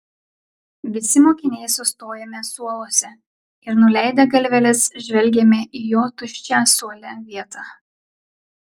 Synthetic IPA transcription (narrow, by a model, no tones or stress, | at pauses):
ʋʲɪsʲɪmoːkʲɪnʲɛɪsʊst̪oːjɛmʲɛsuɔlˠoːsʲɛ | ɪɾnʊlʲæˑɪd̪ʲɛɡɐlʲʋʲɛlʲɛsʒʲʋʲɛlʲɡʲɛmʲɛʔiːjoːt̪ʊʃʲt͡ʃʲæːsuɔlʲɛʋʲiɛt̪ɑː